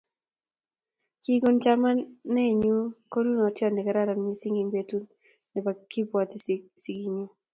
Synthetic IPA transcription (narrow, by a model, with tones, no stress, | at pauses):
ki˦ɡo˦nt͡ʃa˦ma˦nɛ˦˨ɲu˦ko˦lu˦n˨ɔ˨tjɔ˦˨nɛ˨kɛ˨ɾa˦ɾa˨mi˨˦si˦ŋi˨ŋbe˨tu˦n | nɛ˨pa˨ki˦pwa˨t̪i˦si˨ɡi˨ɲu˦